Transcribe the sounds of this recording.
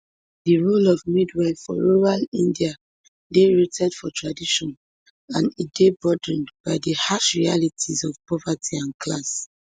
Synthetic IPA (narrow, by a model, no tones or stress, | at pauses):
diɹulɔvmidwafɔ̰ɹuɹalĩndia | deɹetʰɛdfɔtɹadiʃɔ̃n | ãnitdebɔdɹĩnbaɪdihaʃɹialitʰizɔv̥pɔvatʰiãnkʰlas